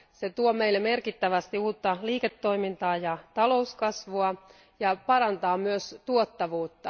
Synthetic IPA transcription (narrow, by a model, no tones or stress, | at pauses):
se̞t̪uome̞ilːeme̞rkit̪ːæʋæst̪iuːt̪ːɑliːket̪ːo̞imint̪ɑːjɑt̪ɑlo̞uskɑsʋuɑ | jɑpɑɾɑnt̪ɑːmyøst̪uot̪ːɑʋuːt̪ːɑ